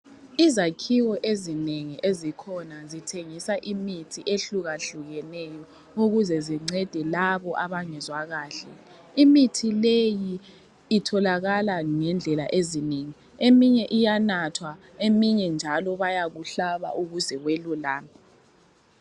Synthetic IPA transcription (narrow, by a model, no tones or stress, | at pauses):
izakʰiwɔʔezineŋiʔezikʰɔnazitʰeŋisaʔimitʰiʔeɬuɣaɬuɣɛnɛjɔ | uɣuzɛziŋ͡ǀɛd̥ʱɛlaβɔʔaβaŋɛzwaɣaːɬɛ̰ | imitʰilejiː | tʰɔlaɣalaŋɛnd͡ɮʱɛlaʔezineŋi | emiɲɛʔijanatʰwa | emiɲɛnd͡ʒʱalɔβajaɣuɬaβa̰ʔuɣuzɛɣwelulaːni